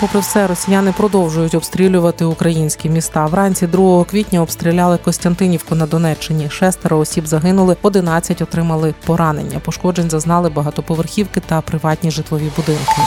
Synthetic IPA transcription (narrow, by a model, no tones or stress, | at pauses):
pɔpɾɪwsɛɾɔsʲijanɪpɾɔd̪ɔwʒʊjʊtʲɔbst̪ɾʲilʲʊʋɐt̪ɪʊkɾɐjinʲsʲkʲimʲist̪ɑwɾɑnʲt͡sʲid̪ɾuɦɔɦɔkʋʲitʲnʲɐɔbst̪ɾʲilʲalˠɪkɔnʲst̪ɐnt̪ɪnʲiwkʊnɐd̪ɔnɛt͡ʃːɪnʲiʃɛst̪ɛɾɐɔsʲibzɐɦɪnʊlˠɪɔd̪ɪnɑt͡sʲːɐtʲɔt̪ɾɪmɐlˠɪpɔɾɑnḛnʲːɐ̰pɔʃkɔd͡ʒenʲzɐznɑlˠɪbɐɦɑt̪ɔpɔʋerxʲiwkɪt̪ɐpɾɪʋɑtʲnʲiʒɪt̪lˠɔʋʲibʊd̪ɪnkɪ